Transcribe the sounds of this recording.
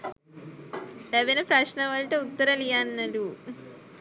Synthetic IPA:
leʋenɐpɾɐʂnɐʋɐlʈeut̪ːɐɾɐlijanːɐlu

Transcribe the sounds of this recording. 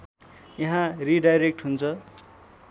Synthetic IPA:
jaɦãriɖajɾek̚ʈɦunt͡sʰʌ

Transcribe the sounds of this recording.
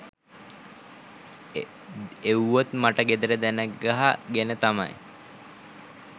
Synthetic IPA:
ewʋot̪maʈəɡed̪əɾəd̪ænæɡɡaɦaɡenət̪ama̰j

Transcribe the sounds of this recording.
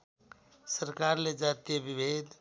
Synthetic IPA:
səɾkaɾled͡ʒat̪ijebibʱed̪

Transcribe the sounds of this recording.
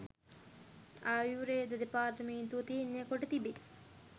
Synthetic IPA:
aːwjuɾeːd̪ɐd̪epaːɾɐmiːnt̪ut̪iːnːekoʈɐt̪ibi

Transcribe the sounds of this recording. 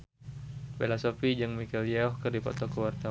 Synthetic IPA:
belasɔfid͡ʒɨŋmikɛljaɔhkərdipɔ̰t̪ɔkəwart̪a

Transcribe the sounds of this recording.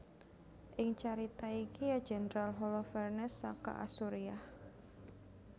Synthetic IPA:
ʔɪŋt͡ʃaɾit̪aikijad͡ʒɛnəɾalɦɔlɔfɛrnɛsaka̰ʔa̰suɾiah

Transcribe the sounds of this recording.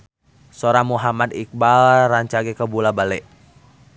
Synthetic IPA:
sɔɾamuɦamad̪ik̚balraɲt͡ʃaɡɛkəbulabalɛʔ

